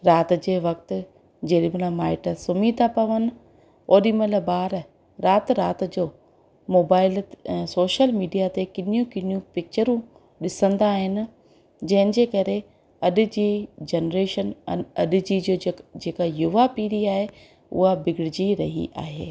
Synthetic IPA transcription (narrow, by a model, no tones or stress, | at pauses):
ɾaːt̪d͡ʑeːʋɐk̚t̪ʊ̆ | d͡ʑeːɗɪməlmaːɪʈəsʊmiːd̪apɐʋənɪ̆ | oːɗiməlbaːɾ | ɾaːt̪ɾaːt̪d͡ʑoː | moːbaːɪlsoːʃəlmiːɖijat̪ekɪnjũkɪnjũpɪk̚t͡ɕəɾũ | ɗɪsə̃nd̪aːɦɪnɪ̆ | d͡ʑɐɦɪnɪ̆d͡ʑeːkɐɾe | ɐɗʊ̆d͡ʑiːd͡ʑenɾeːʃənɐɗʊ̆d͡ʑid͡ʑoːd͡ʑeːkajʊʋapiːɾiaːɦe | ʊ̰ɦabɪɡɪɽɪd͡ʑiɾɐɦḭʔa̰ːɦḛː